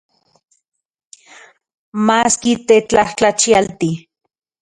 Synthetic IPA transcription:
maːskit̪et͡ɬaht͡ɬat͡ʃialt̪i

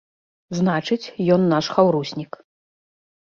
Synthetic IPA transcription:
znat͡ʂɨt͡sʲjɔnːaʂxawɾusʲnʲik

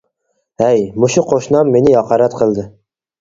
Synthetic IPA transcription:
æjmʊʃʊqʰoʃnɑmːenɪɑqʰɑɾat̪qʰɨlˠd̪ɪ

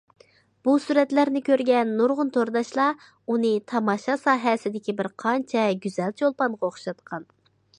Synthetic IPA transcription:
b̥usuɾɛt̪læɾnɪkʲøɾɡʲɛnːuɾʁʊnt̪ʰoɾd̪ɑʃlˠɑ | unɨt̪ʰɑmɑʃɑsɑːɦɛsɪd̪ɪkʲibɪɾqʰɑnt͡ʃʰɛɡʲyz̥ɛlt͡ʃʰolˠpɑnʁɑoχʃɑt̪qʰɑn

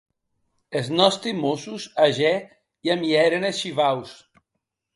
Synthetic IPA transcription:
eznɔst̪imosusaʒɛ | iamiɛɾenesʃiβaws

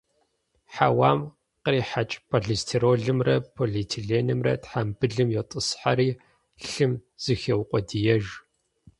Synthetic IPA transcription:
ħawaːm | qriːħat͡ʃʼpʰoɮistʰiɾoːɮɨmrɐpʰoɮitʰiɮeːnɨmrɐ̰tħambɨɮɨmjɛtʼɨsħaɾiː | ɬɨmz̥ɨxewqʷʼɔdijɛʒ

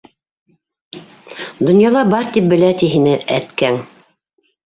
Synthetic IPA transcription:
d̪ŏnjɑlˠɑbɑɾt̪ip̚bɘ̆læt̪iɦinɘʔæt̪kæŋ

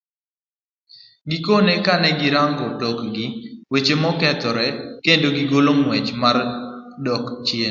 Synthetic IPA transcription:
ɡikonekanɛɡɪɾaŋɡɔdɔkɡiwet͡ʃemɔkɛt̪ɔɾɛkendoɡiɡolomwɛt͡ʃmar | dɔkt͡ʃen

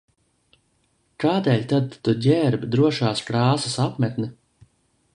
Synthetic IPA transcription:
kaːd̪eːlʲt̪ad̪ːuɟʲɛɾbd̪ɾuɔʃaːskɾaːsasapmʲɛt̪nɨ

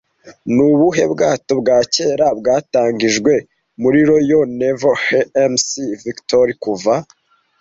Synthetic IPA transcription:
nuβuɦe̞bɡaːto̞βɡaːce̞ːɾabɡaːtaːɲɡiʒɡwe̞ | muɾiɾo̞jonevoheemsiviktoɾikuva

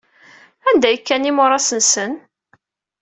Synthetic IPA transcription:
ænd̪æjəkːænːimʊɾˤɑsənsən

